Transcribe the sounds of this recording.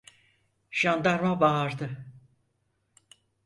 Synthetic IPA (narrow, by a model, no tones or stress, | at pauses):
ʃand̪aɾmabaːɾd̪ɯ